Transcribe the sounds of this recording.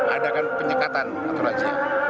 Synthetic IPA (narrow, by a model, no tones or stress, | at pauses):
adakanpəɲəkat̪an | at̪uɾad͡ʒi